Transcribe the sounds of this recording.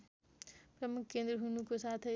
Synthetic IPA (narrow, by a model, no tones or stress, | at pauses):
pɾəmukʰkẽːnd̪ɾəɦunũkosaːt̪ʰ